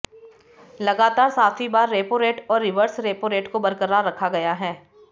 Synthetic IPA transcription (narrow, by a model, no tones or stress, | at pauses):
lɐɡaːt̪aːɾsaːt̪ʰibaːɾːeːpoɾeːʈɔːɾːɪʋəɾsɾeːpoɾeːʈkobɐɾkəɾaːɾːɐkʰaɡɐjaɦɛː